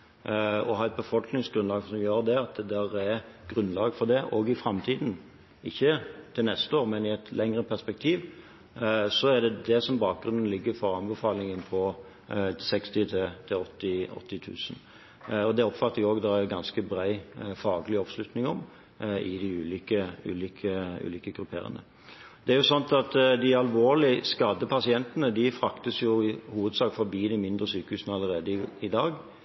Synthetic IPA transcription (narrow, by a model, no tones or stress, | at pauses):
ɔɦɑːɛt̪̚bəfɔlknɪŋsɡɾʉnlɑːɡsɔmjøːɾd̪ɛɑt̪ɛd̪æːɾɛɡ̥ɾʉnlɑːɡfɔɾd̪ɛʔɔɡɪfɾɑmt̪ʰiːd̪n̩ | ɪçːət̪ʰɪlnɛst̪əoːʁmɛnɪɛt̪ʰlɛŋʁəpʰæʁspɛk̚t̪ʰiːʋ | sɔɛd̪ɛd̪ɛsɔmbɑːk̚ɡ̥ɾʉnn̩lɪɡːəɾfɔɾɑnbəfɑːlɪŋənpʰɔ | sɛkst̪ɪt̪ʰɪt̪ʰɪɔt̪ːɪɔ̰t̪ʰːɪt̪ʰʉ̰ːsən̩ | ɔd̪ɛɔpfɑt̪ːəɾjʊoːɡd̪ɑæɡɑnskəbɾæɪfɑːɡəlɪɔʋslʉt̪nɪŋɔm | ɪd̪ɪʉːliːkəʉ̰ːliːkʰəʉ̰ːliːkəɡɾʉpʰḛːɾə̰nə̰ | d̪̥ɛæɾjʊsɑnt̪ɑt̪d̪ɪɑlʋoːɾlɪskɑd̪əpʰɑsɪɛnt̪ənəd̪ɪfɾɑkt̪əsjʊɪhuːʋəd̪sɑːkfɔɾbiːd̪ɪmɪnd̪ɾəsyːkəhʉːsnəɑlːəɾeːd̪əɪd̪ɑːɡ